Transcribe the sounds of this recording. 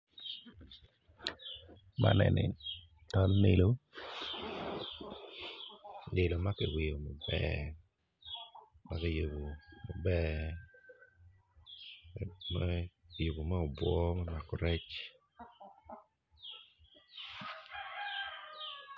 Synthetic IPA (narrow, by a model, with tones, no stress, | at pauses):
ma̰˦nɛ̰˨nɛ̰˨ | tɔ˦lne˨lo˦ | dɪ˨lo˨ma˦kɛ˨wɪ˨jo˨ma˨bɛ̰ | ma˦kɛ˦jo˨ɡo˨ma˨bɛ | majo˨ɡo˨ma˦o˨bwɔ˦ma˦na˨kɔ˨ɾɛ˦t͡ʃ